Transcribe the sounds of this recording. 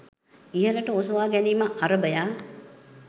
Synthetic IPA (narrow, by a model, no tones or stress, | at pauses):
iɦələʈəosuʋaːɡɛniːməʔaɾəbəjaː